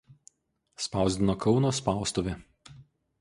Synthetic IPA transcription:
spɑˑʊzʲd̪ʲɪnokʰɒʊnoːspɑˑʊst̪oʋʲɪ

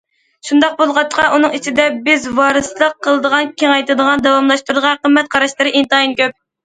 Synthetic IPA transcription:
ʃund̪ɑq̚bolˠʁɑt̪ːə̥qʰɑʔunɨŋit͡ʃʰid̪ɛbɪzvɑɾɨslˠəqʰːəlˠəd̪əʁɑnkʲʰeŋɑjt̪ɨd̪əʁɑnd̪ɑwɑmlˠɑʃt̪uɾd̪əʁɑqʰəmːɛt̪̚qʰɑɾɑʃlˠɨɾɨʔint̪ɨinkʲøp̚

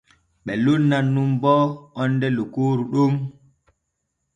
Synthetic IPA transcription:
ɓɛlunːanːumbɔɔnːdɛlokoːɾuɗum

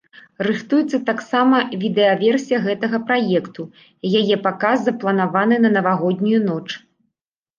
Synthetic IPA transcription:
rɨxt̪ujɛt̪sːɐt̪aksamɐvʲid̪ɛɐvʲɛrsʲijɐɣɛt̪ɐɣɐpɾajɛkt̪u | jajɛpakazːɐplˠɐnavanɨnɐnɐvaɣɔd̪ʲnʲujunɔt͡ʂ

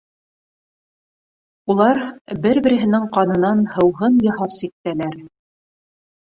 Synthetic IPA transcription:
ulˠɑɾbɘɾbɘ̆ɾɘ̆ɦɘ̆nɘŋqɑnɤ̆nɑnhɤ̆wɦɤnjɤ̆ɦɑɾsik̚t̪ːælæɾ

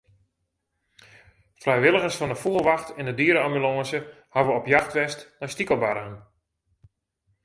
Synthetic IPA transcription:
frɛjʋɪlˠəɣəsfɑndəfuəlˠʋaxtɪndədiəɾəambylɔ̃ːzə | haʋəɔpjaxtʋɛstnastikəlˠbaɾəən

